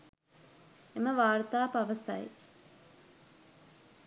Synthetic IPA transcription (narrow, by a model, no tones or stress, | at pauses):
eməʋaːɾt̪aːpaʋəsa̰j